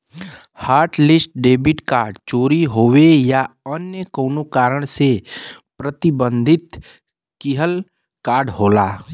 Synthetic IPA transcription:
haːɾʈlɪsʈ̚ɖeːbɪʈkaːɾɖt͡ʃoːɾiɦoːʋejaənjəkoːnokaːɾəɽ̃sepɾət̪ɪbə̃nd̪ʱɪt̪ | kiɦəl | kaːɾɖɦoːlaː

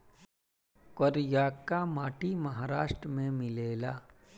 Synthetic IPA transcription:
koɾjaːkːamaːʈimɐɦaːɾaːʃʈɾəmẽmɪleːlaː

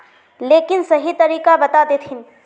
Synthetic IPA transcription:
leːkɪnsɐɦit̪ɐɾiːkabɐt̪aːd̪et̪ʰɪn

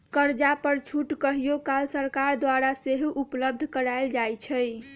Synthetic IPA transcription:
kəɾd͡ʒapəɾt͡ʃʰuʈkəɦijokalsəɾkaɾd̪waɾaseɦupləb̚d̪ʱkəɾaeld͡ʒajt͡ʃʰəj

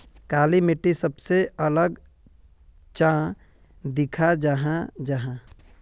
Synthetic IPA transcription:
kaːlimɪʈːisəbseələɡ | t͡ʃã | d̪ɪkʰad͡ʒaɦãd͡ʒəɦã

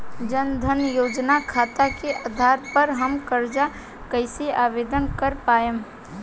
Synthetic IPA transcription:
d͡ʒənd̪ʱənjoːd͡ʒnakʰaːt̪akeʔaːd̪ʱaːɾpəɾɦəmkəɾd͡ʒa | kəɪseʔaːʋeːd̪ənkəɾpaːjəm

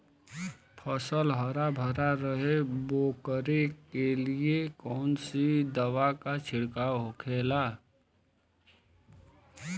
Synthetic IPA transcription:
pʰəsəlɦəɾabʱəɾaɾəɦeboːkəɾekeliekɔːnsid̪əwakat͡ʃʰɪɽkaɦokʰeːla

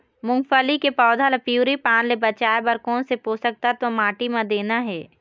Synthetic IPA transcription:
mʊ̃ŋɡfəlikepɔːd̪ʱalepjuːɾipaːnlebɐt͡ʃaːebɐɾkɔːnsepoːsək̚t̪at̪omaːʈimãd̪eːnaɦɛː

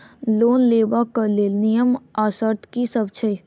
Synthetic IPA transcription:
loːnleːbakəleːlnijəmaːsəɾt̪ʰkisəbt͡ʃʰəj

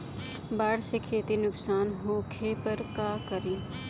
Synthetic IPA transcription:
baːɽsekʰeːt̪inʊksaːnɦokʰepɐɾkaːkɐɾiː

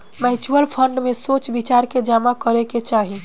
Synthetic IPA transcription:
mɛɪt͡ʃuəlpʰəɳɖmesot͡ʃbit͡ʃaɾked͡ʒamakəɾeket͡ʃaɦi

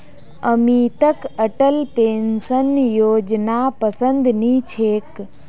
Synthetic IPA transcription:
əmiːt̪əkəʈəlpeːnsənjoːd͡ʒnaːpəsə̃nd̪niːt͡ʃʰeːk

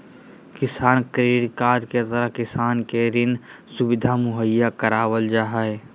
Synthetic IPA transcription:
kɪsaːnkɾeːɾkaːɾket̪əɾəɦkɪsaːnkeɾɪn | sʊbɪd̪ʱamʊɦəjːakəɾaːwəld͡ʒaːɦəe

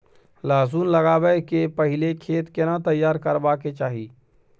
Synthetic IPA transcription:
laːzuːnləɡaːbəkepəɦɪlekʰeːt̪kenat̪əjːaːɾkəɾbaːket͡ʃaːɦiː

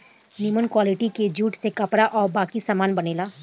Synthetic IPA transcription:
nɪmənkwaːlɪʈiked͡ʒuːʈsekɐpɾaʔɔːɾbaːkisaːmaːnbɐneːlaː

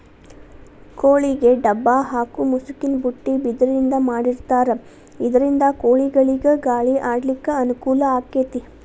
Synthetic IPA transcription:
koːɭiɡe̞ɖɐbːaːɦaːkumusukinbuʈːibid̪ɐɾind̪ɐmaːɽiɾt̪aːɾe | id̪ɐɾind̪ɐkoːɭiɡɐɭiɡeɡaːɭiʔaːɽlikːɐɐnukuːlɐaːket̪i

